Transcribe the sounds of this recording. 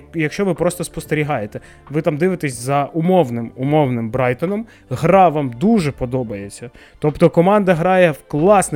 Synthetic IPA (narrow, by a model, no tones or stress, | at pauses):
jɐkʃt͡ʃɔʋɪpɾɔst̪ɔspɔst̪eɾʲiɦɑjet̪ɛ | ʋɪt̪ɑmd̪ɪʋɪt̪ɛsʲzɐʊmɔwnɪmʊmɔwnɪmbɾɑjt̪ɔnɔm | ɦɾɑʋɑmd̪uʒɛpɔd̪ɔbɐjet͡sʲːɐ | t̪ɔpt̪ɔkɔmɑnd̪ɐɦɾɑjɛwklˠɑsnɛ